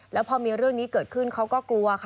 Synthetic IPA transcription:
lɛː˦˥wpʰɔː˧miː˧ɾɯ˥˩əŋniː˦˥kɤː˨˩t̪̚kʰɯ˥˩nkʰa˦˥wkɔː˥˩klu˧ɐkʰ

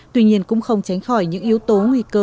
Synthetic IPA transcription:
t̪wi˧ɲi˧ənkʊ̰˧˥ŋ͡mxə˧wŋ͡mt͡ɕa˨˦jŋ̟xɔ˧˩jɲɨ̰˧˥ŋʔi˨˦əwt̪o˨˦ŋwi˧˩kəː˧

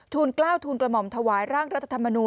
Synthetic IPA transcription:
t̪ʰuː˧nklaː˥˩wt̪ʰuː˧nkla˧mɔ˨˩mt̪ʰa˧waː˩˦jɾaː˥˩ŋɾa˦˥t̪ʰːa˧t̪ʰa˧mːa˧nuː˧

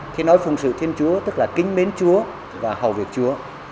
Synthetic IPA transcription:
t̪ʰi˨˧˦nɔ˨˦jfʊ˨˩ŋ͡msɨ̰˧˨t̪ʰi˧ənt͡ɕu˨˦ət̪ɨ˦˥k̚laː˨˩kï˨˦ŋ̟ɓe˨˦nt͡ɕu˨˦ə | vaː˨˩ha˨˩wvi˨˩ək̚t͡ɕu˨˦ə

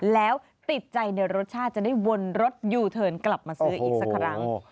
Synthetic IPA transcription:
lɛː˦˥w | t̪i˨˩t̪̚t͡ɕa˧jna˧jɾo˦˥t̪̚t͡ɕʰaː˥˩t̪̚t͡ɕa˨˩da˥˩jwo˧nɾo˦˥t̪̚juː˧t̪ʰɤː˧nkla˨˩p̚maː˧sɯ˧˦˥ɐʔiː˨˩k̚sa˦kʰɾa˦˥ŋ

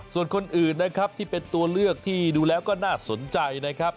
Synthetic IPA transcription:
su˨˩ənkʰo˧nʔɯː˨˩nːa˦˥kʰɾa˦˥p̚t̪ʰiː˥˩pe˧nt̪u˧ɐlɯ˥˩ək̚t̪ʰiː˥˩duː˧lɛː˦˥wkɔː˥˩naː˥˩so˩˦nt͡ɕa˧jna˦˥kʰɾa˦˥p̚

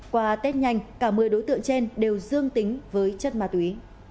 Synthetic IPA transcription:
kwaː˧˩t̪e˦˥t̚ɲa˧jŋ̟kaː˧˩mɨ˨˩əjɗo˨˦jt̪ɨ̰˧˨əŋt͡ɕe˧nɗe˨˩wzɨ˧əŋt̪ï˨˦ŋ̟vəː˨˦jt͡ɕə˦˥t̚maː˨˩t̪wi˨˦

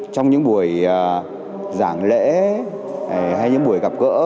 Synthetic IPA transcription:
t͡ɕɔ˧wŋ͡mɲɨ̰˧˥ŋɓu˨˧˩əjəː˨˩ | zaː˧˩ŋlḛ˧˥˨ | ha˧jɲɨ̰˧˥ŋɓu˧˩əjka˨˩p̚kə̰ː˧˥

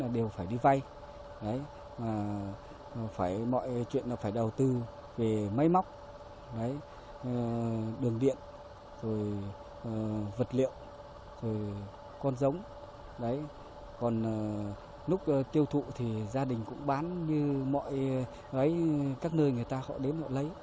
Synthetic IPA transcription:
aː˨˩ɗe˨˩wfaː˧˩jɗi˧va˧j | ɗə˨˦j | maː˨˩ | faː˧˩jmɔ̰˧˨jt͡ɕwḭ˧˨ənlaː˨˩faː˧˩jɗə˨˩wt̪ɨ˧ | ve˨˩mə˨˦jma˦˥wk͡p̚ | ɗə˨˦j | ɗɨ˨˩əŋɗḭ˧˨ən | zo˨˩j | və˨˩t̚lḭ˧˨əw | zo˨˩j | kɔ˧nzə˨˦wŋ͡m | ɗə˨˦j | kɔ˨˩n˨˩ | nʊ˦˥k͡p̚t̪i˧əwt̪ʰṵ˧˨t̪ʰi˨˩zaː˧ɗï˨˩ŋ̟kʊ̰˧˥ŋ͡mɓaː˨˦nɲɨ˧mɔ̰˧˨j | ʔə˨˦jkaː˦˥k̚nəː˧jŋɨ˨˩əjt̪aː˧xɔ̰˧˥˩ɗe˨˦nhɔ̰˧˨lə˨˦j

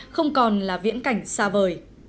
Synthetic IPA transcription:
xə˧wŋ͡mkɔ˨˩nlaː˨˩vḭ˧˥ənka˧˩jŋ̟saː˧vəː˨˩j

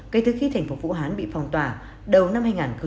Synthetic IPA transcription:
kə˨˩jt̪ʰɨ˨˩xi˧t̪ʰa˨˩jŋ̟fo˨˩vṵ˧˥ɦaː˨˦nɓḭ˧˨fɔ˨˩wŋ͡mt̪waː˨˩ | ɗə˨˩wna˧mhaː˧jŋaː˨˩nxə˧˦

